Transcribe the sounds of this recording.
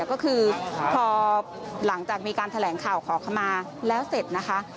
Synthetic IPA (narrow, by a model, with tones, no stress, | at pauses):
kɔː˥˩kʰɯː˧pʰɔː˧ | la˩˦ŋt͡ɕaː˨˩k̚miː˧kaː˧nt̪ʰa˧lɛː˩˦ŋkʰaː˨˩wkʰɔː˩˦kʰa˧maː˧ | lɛː˦˥wse˨˩t̪̚na˦˥kʰa˦˥ʔ